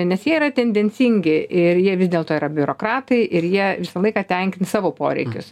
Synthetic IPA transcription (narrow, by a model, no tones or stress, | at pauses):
nʲɛsjiɛiɾɐt̪ʲɛnʲd̪ʲɛnʲsʲiŋʲɡʲɪʔɪrjiɛʋʲɪzd̪ʲeːlˠt̪oːiːɾɐbʲʊɾoːkɾɑːt̪ɐɪʔɪɾjiɛʋʲɪsɐlˠɐɪkɑːt̪ʲɛŋʲkʲɪnsɑːʋoːpo̰ːɾʲɛ̰ɪkʲʊs